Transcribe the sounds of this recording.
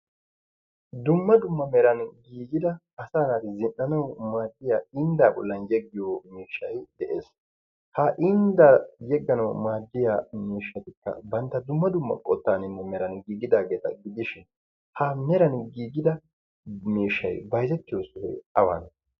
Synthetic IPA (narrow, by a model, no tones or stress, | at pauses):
d̪ʊmːɐd̪ʊmːɐmɛɾɐnɡiːɡɪd̪ɐː | saːnaːd̪ɪzɪnʔɐnɐwmaːd̪ːɪjaːɪnd̪aːbɔlːɐnjɛɡːɪjomiːʃːɐjd̪ɛʔeːs | haʔɪnd̪ajɛɡːɐnɐwmaːd̪ːɪjaːmiːʃːɐt̪ɪkːɐ̰bɐnt̪ːɐd̪ʊmːɐd̪ʊmːɐ̰kʼɔt̪ːaːnɪnːɛmɛɾɐnɡiːɡɪd̪aːɡe̞ːt̪ɐ̰ɡɪd̪ɪʃɪn | hamɛɾɐnɡiːɡɪd̪ɐ | miːʃːɐ̰jbɐjzɛt̪ːɪjosʊhɛ̰ɐwa̰n